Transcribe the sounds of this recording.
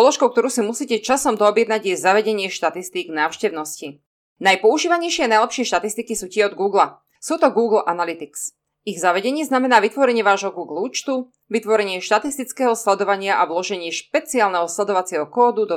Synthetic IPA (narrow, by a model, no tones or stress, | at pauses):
pɔlɔʃkɔʊkt̪ɔɾuːsimusiːcɛt͡ʃasɔmd̪ɔɔbjɛd̪naɟjɛzaʋɛɟɛɲɪɛʃt̪at̪ist̪iːɡnaːʊʃcɛʊnɔsci | najpɔuʒiːʋaɲɛjʃɪɛanajlɛpʃɪɛʃt̪at̪ist̪ikisuːcɪɛɔd̪ɡuːɡla | suːt̪ɔɡuːɡl̩ʔanalit̪iks | iɣzaʋɛɟɛɲɪɛznamɛnaːʋit̪ʋɔɾɛɲɪɛʋaːʒɦɔɡuːɡluːt͡ʃt̪u | ʋit̪ʋɔɾɛɲɪɛʃt̪at̪ist̪it͡skɛːɦɔslɛd̪ɔʋaɲɪaʔaulɔʒɛɲɪɛʃpɛt͡siaːlnɛɦɔslɛd̪ɔʋat͡sɪɛɦɔkɔːd̪ud̪ɔ